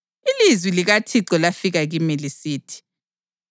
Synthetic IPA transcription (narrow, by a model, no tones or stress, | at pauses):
ilizwiliɣatʰiǀɔlafiɣaɣimɛlisiːtʰi̥